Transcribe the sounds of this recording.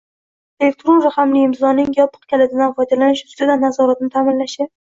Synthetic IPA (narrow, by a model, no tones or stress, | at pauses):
elek̚t̪ʰɾonɾaχamlɪɪmzɒnɪŋjɒpʰɨ̥q̚kʲʰalad̪ɪd̪anfɒjd̪alanɪʃʊ̥st̪ɪd̪anːazɒɾat̪̚nɪt̪ʰamɪnlaʃa